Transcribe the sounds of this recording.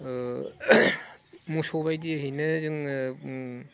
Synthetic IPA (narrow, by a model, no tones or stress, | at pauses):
musobajdiɐɦinɯzɯŋ